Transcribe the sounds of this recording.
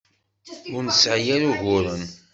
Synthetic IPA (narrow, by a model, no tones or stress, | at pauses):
ʊɾnəsʕjæɾuʝʊɾˤən